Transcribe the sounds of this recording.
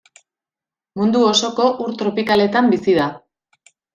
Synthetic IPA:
mund̪uo̞so̞ko̞ʔuɾt̪ɾo̞pikale̞t̪ambisiða

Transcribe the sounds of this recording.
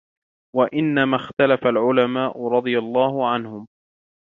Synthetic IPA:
waʔɪnːamaːxt̪alafalʕʊlamaːʔʊɾˤɑd̪ˤɨjalˤːɑːhʊʕanhʊm

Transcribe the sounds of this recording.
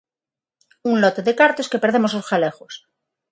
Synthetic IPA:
unlot̪e̞ðekaɾt̪oeske̞peɾðe̞mo̞slo̞sxale̞xos

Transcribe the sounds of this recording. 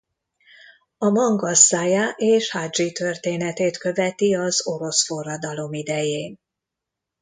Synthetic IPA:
ɒmɒŋɡɒsːaːjaːʔeːʃhaːd͡ʒit̪ø̞rt̪eːnɛt̪eːt̪kø̞vɛt̪iɒzo̞ɾo̞sfo̞rːɒd̪ɒlo̞mid̪ɛjeːn

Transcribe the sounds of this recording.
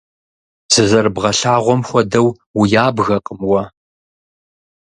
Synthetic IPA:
z̥ɨzɐrbʁɐɬaːʁʷɔmxʷɔdɐw | wʊjaːbɣɐqʼəmwɐ

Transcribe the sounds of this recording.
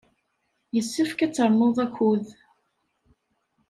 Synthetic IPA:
jəsːəfkæt͡sːəɾˤmoðˤæçʷuð

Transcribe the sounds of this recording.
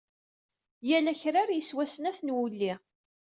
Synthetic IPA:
jælæçɾaɾjəswæsənæθnwulːi

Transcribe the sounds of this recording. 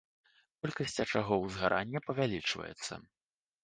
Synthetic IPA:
kɔlʲkɐsʲt͡sʲɐt͡ʂaɣɔwzɣaɾʔanʲːɛpɐvʲalʲit͡ʂvɐ̰jɛ̰t̪sːɐ̰

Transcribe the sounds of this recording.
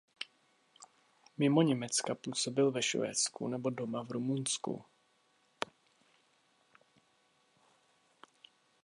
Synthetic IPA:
mɪmo̞ɲɛmɛt͡skapuːso̞bɪlvɛʃvɛ̰ːt͡skṵnɛbo̞do̞mavɾumunskṵ

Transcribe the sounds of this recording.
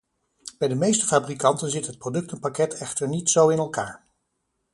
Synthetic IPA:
b̥ɛjdəmejstəfaːbrikɑntənzɪtɦət̚prodɵk̚tənpakɛtʰɛχtəɹnitsowɪnɛlˠkaːɹ

